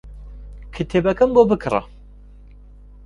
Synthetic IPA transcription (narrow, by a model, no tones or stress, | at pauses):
kʰɨt̪ʰebɐkɐmbobɨkʰɾɐ̰